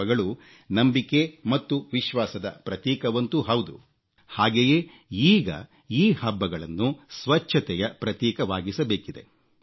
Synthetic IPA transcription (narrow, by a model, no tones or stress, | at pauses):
ɐɡɐɭu | nɐmbikemɐt̪ːuʋiʃʋaːsɐd̪ɐ̰pɾɐt̪jɛːkɐʋɐnt̪uɦɐwd̪ṵ | haːɡeje̞ː | iːɡɐ̰ | iːhɐbːɐɡɐɭɐnːusʋɐt͡ʃʰːɐt̪ɛjɐpɾɐt̪jɛːkɐʋaːɡisɐbe̞ːkid̪e̞̰